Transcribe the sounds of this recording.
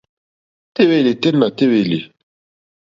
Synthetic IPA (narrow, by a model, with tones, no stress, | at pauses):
te˦we˦˨li˨te˦nːa˨te˦we˨li˨